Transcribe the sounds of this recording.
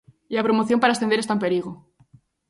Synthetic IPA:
iapɾomoθjompaɾaesθend̪eɾest̪ampe̞ɾiɣ̞o

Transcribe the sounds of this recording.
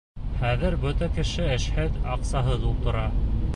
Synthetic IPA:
χæðɘɾbɵt̪ækɘ̆ʃɘɘ̆ʃhɘðɑqsɑɦɤðulˠt̪ɤ̆ɾɑ

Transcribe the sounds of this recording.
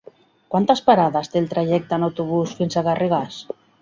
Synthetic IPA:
kwant̪aspaɾaðast̪eːlt̪ɾaʒɛk̚t̪anawt̪uβ̞usfinsaɣarʔiɣas

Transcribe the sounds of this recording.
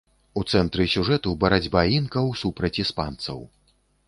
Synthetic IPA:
ut̪sɛnt̪ɾɨsʲuʐɛt̪ubɐɾad͡zʲbainkɐwsupɾɐt͡sʲispant̪sɐ̰w

